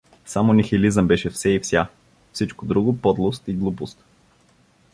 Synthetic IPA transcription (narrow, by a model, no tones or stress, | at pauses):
samonixilizəmbɛʃɛfsɛifsʲja | fsit͡ʃkod̪ɾuɡopɔd̪lˠost̪iɡlˠupost̪